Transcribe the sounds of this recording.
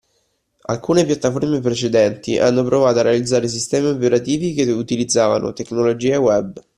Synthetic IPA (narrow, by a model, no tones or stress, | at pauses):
a̰lkuːnepjat̪ːaformep̬ɾet͡ʃed̪ɛnt̪iʔa̰nːopɾovaːt̪oaɾːealid̪zːaːɾes̬ist̪ɛːmiopeɾat̪iːvikeut̪ilid̪zːaːva̰no̰t̪eknolod͡ʒiːewɛb